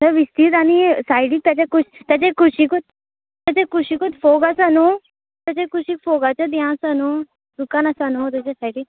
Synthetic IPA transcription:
səɾʋist̪iːt̪añisajɽiːk̚t̪jat͡ɕakuɕt̪jat͡ɕekʰuɕikot̪̚ | t̪jat͡ɕekʰuɕikot̪foɡasano | t̪jat͡ɕekʰuɕiːkfoɡat͡ɕad̪ãsano | d̪ukanasanot̪at͡ɕesajɽiːk̚

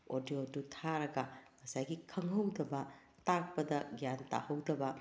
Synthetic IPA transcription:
odjodutʰaɾɐɡɐŋɐsajɡikʰɐŋɦɐwdɐbɐ | tak̚pɐdɐɡjanta̰hɐwdɐbɐ

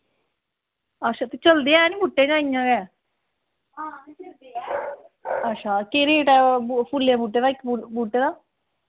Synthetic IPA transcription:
əʃʰaːt̪et͡ʃəld̪eːaɛːnĩːbuːʈːeːd͡ʒãːɪ̃jãːɡɛː | ətːʃʰaːkeːɾeːʈɛːpʰulːaːbuːʈːeːd̪aːkːbuːʈːeːd̪aː

